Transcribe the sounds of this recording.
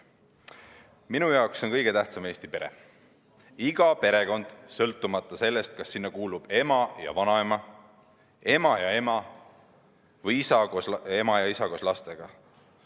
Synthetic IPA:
minujɑokso̞nkɤjɡ̥e̞t̪æht̪sɑme̞ːsʲt̪ipe̞ɾe̞̰ | iɡ̥ɑpe̞ɾe̞ko̞nd̪̥sɤlt̪ːˑumɑt̪ˑːɑse̞lːe̞st̪̚kɑsːinːɑkuːlub̥e̞mɑjɑ̰vɑnɑe̞mɑ | e̞mɑjɑe̞mɑ | vɤjisɑɡoe̞mɑjɑisɑɡoslɑst̪e̞ɡ̥ɑ

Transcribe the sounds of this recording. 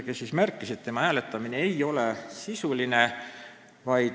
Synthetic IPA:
kesismærkːˑiset̪t̪ːe̞mɑæːle̞t̪ːˑɑmine̞ejo̞le̞sisuline | vɑjd̪

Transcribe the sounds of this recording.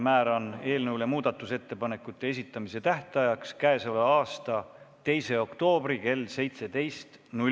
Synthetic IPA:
mæːɾo̞ne̞ːlnewle̞muːd̪̥ɑt̪ːˑuse̞t̪ːe̞pɑne̞kːˑut̪ːe̞es̬ʲit̪ˑːɑmise̞t̪æht̪ɑjɑkskæesɑlɑɑːst̪ɑ | t̪e̞jse̞o̞kt̪o̞ːbrike̞lːse̞jt̪se̞d̪e̞jst̪nu

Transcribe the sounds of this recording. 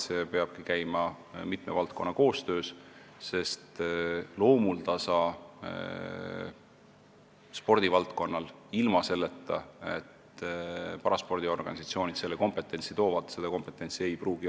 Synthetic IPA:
sepeɑb̥̚kikæjmɑ | mit̪ˑmevɑlt̪̚ko̞nːɑko̞ːst̪ø̞ːsse̞st̪lo̞ːmult̪ɑsɑː | spo̞rd̪̥ivɑlt̪ko̞nːɑlilmɑse̞lːe̞t̪ːˑɑe̞̰t̪ | pɑɾɑspo̞rd̪io̞rɡ̥ɑ̰nʲisɑt̪sio̞ːnʲit̪se̞lːeko̞mpe̞t̪ːˑe̞nʲsit̪o̞ːvɑd̪se̞d̪̥ɑko̞mpˑe̞t̪ːˑe̞nʲsie̞jpruːɡ̥i

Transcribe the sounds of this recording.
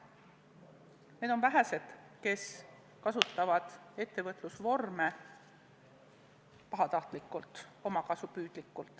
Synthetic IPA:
ne̞ːd̪ovæɦæse̞d̪̥ke̞s | kɑsut̪ːˑɑvɑd̪̥e̞t̪ːe̞vɤt̪ːˑlusvo̞rme | pɑɦɑt̪ɑht̪likːˑult̪ˑo̞mɑkɑsupyːd̪̥likːˑult̪ːˑ

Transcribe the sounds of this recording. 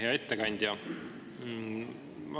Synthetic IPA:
eɑet̪ːekɑnʲd̪̥jɑ | ɑ

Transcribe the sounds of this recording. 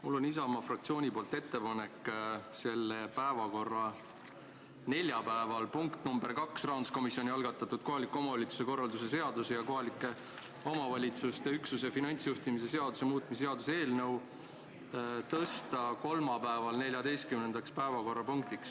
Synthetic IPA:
mulːo̞nis̬ɑmɑfrɑk̚t̪sio̞ːnʲipo̞ːlt̪ːe̞t̪ːe̞pɑne̞kːse̞lːepæevɑko̞rːɑ | ne̞lʲjɑpæevɑlpuŋkt̪numbe̞rkɑksrɑːnd̪usko̞misjo̞nʲiɑlɡ̥ɑt̪ːˑɑt̪ːud̪̥̚ko̞ɦɑlikːˑeo̞mɑvɑlʲit̪su̥se̞ko̞rːɑld̪use̞se̞ɑd̪̥usejɑko̞ɦɑlikːˑe̞ | o̞mɑvɑlʲit̪sust̪e̞yksus̬efinɑnʲt̪sjuht̪imis̬e̞se̞ɑd̪̥use̞muːt̪ˑmise̞ɑd̪usee̞ːlnɤ̞w | t̪ɤst̪ɑko̞lmɑpæevɑlne̞lʲjɑd̪e̞jst̪kymne̞nd̪̥ɑkspæevɑko̞rːɑpuŋk̚t̪iks

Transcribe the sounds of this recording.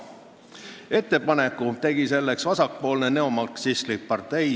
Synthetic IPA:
e̞t̪ːe̞pɑne̞kːˑut̪e̞ɡ̥ise̞lːe̞ksvɑsɑk̚po̞ːlne̞ne̞omɑlksisklik̚pɑrt̪ˑe̞j

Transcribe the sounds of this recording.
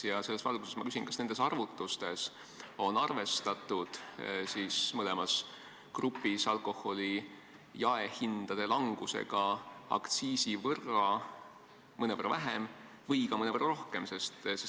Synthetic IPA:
jɑse̞lːe̞svɑlɡ̥use̞smɑkysinkɑ̥sne̞nd̪esɑrvut̪ːˑust̪e̞s | o̞nɑrve̞st̪ɑt̪ˑud̪̥siːsmɤlɛmɑs | krupːˑisɑlko̞ho̞li | jɑehind̪̥ɑd̪̥e̞lɑŋɡ̥usḛɡ̥ɑɑ̰kt̪siːsivɤrɑ | mɤnevɤrːʔɑvæɦem | vɤjkɑmɤnevɤrːɑɾo̞hke̞mse̞st̪se

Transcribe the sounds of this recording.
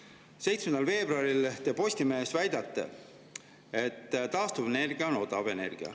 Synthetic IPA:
se̞jt̪smend̪ɑlve̞ːb̥ruɑɾilt̪e̞ːpo̞sʲt̪ime̞ːsvæjd̪ɑt̪ːḛ | e̞t̪ːt̪ɑːst̪uvene̞rɡ̥iɑono̞d̪̥ɑve̞ne̞̰rɡ̥iɑ̰

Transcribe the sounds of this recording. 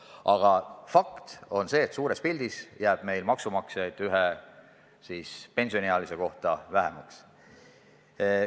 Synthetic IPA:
ɑɡ̥ɑfɑkt̪o̞nse̞ːt̪suːɾe̞spilʲd̪̥isjæːb̥me̞jlmɑksumɑksjɑjd̪̥yɦe | siːspe̞nʲsio̞neɑlise̞ko̞ht̪ɑvæɦemɑks

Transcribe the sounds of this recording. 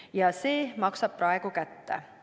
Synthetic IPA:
jɑse̞ːmɑksɑb̥̚prɑe̞ɡ̥ukæt̪ːḛ

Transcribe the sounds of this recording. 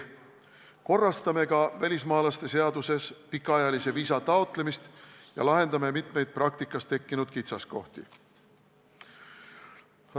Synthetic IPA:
ko̞rːɑst̪ɑme̞kɑvælʲismɑːlɑst̪e̞se̞ɑd̪use̞spikːˑɑɑjɑlise̞viːsɑt̪ɑot̪ˑle̞mist̪jɑ̰lɑɦe̞nd̪ɑme̞mit̪me̞jd̪̥̚prɑk̚t̪ikːˑɑst̪e̞kːinud̪̥kit̪sɑsko̞̰ht̪ḭ

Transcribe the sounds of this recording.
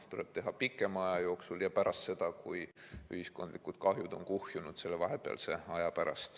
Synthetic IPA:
t̪ule̞b̥̚t̪e̞ɦɑpikːˑe̞mɑjɑjo̞ːksuljɑpæɾʔɑst̪se̞d̪̥ɑkuj | yhisko̞nd̪likud̪̥kɑɦjud̪o̞nkuhjunud̪̥se̞lːevɑɦe̞peɑ̰lse̞ɑjɑpæɾɑ̰st̪

